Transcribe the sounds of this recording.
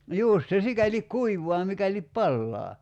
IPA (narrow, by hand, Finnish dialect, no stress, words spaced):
juˑst se sikælik kuiʋoɑ mikælip pɑlːɑː